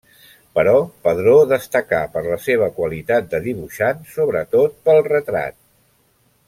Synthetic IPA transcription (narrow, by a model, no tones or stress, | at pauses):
pəɾɔpəðɾoðəst̪əkapəɾləseβ̞əkwəlit̪at̪̚d̪əðiβuʃansoβɾət̪ot̪̚pəlˠrət̪ɾa̰t̪̚